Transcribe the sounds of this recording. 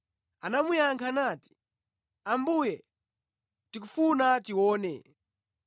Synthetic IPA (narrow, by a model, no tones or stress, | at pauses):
anamujaŋkʰanaːti̥ | ambujɛ | tik̬ufunatiwɔːnɛ̰